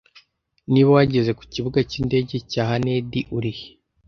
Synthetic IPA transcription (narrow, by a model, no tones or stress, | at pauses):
niβo̞waɟe̞ze̞ku̥ciβuɡaciːnde̞ɟe̞caːɦanediʔuɾih